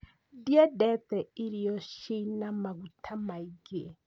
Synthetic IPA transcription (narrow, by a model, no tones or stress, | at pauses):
djɛdɛtɛiɾijɔʃinamaɡutʰamaiɡe